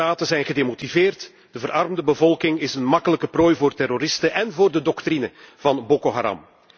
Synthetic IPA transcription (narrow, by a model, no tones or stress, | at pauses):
aːtəzɛjnɣədemotivɪːrt | d̥əvəɾɑrmdəbəvɔlˠkɪŋɪsənmɑkələkəproːjvoːrtɛroɾɪstəʔɛnvoːrdədɔktɾinəv̥ɑnbokoɦa̰ɾɑ̰m